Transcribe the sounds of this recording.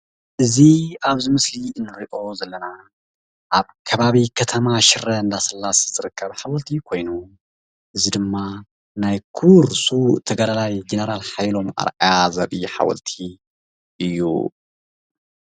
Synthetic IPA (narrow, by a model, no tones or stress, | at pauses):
ʔɨziaβzɨmɨsliɨnːɨɾiʔo̞zɐlːɐna | ʔaβkʰɐβaβikʰɐt̪ʰɐmaʃɪɾɐɨnd̪asɐlːaszɨɾɨkʰːɐβħawɐlt̪ʰikʰojnu | ʔɨzid̪ɨmːa | najkʰuɾsut̪ʰɐɡɐd̪alajd͡ʒenɐɾalħajlo̞mʔa̰ɾʔajazɐɾiħa̰wɐ̰lt̪ʰi | ʔɨjːṵ